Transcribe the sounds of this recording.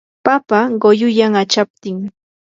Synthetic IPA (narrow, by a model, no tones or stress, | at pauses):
papaɢojʊjaŋat͡ʃap̚t̪ɪŋ